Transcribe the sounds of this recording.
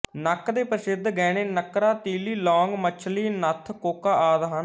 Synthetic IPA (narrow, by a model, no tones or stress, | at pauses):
nəkd̪eːpəsɪd̪ʱɡɛːɽ̃eːnəkɾaːt̪iːliːlɔ̃ːŋɡmət͡ʃʰliːnət̪ʰkoːkaːʔaːd̪ɦən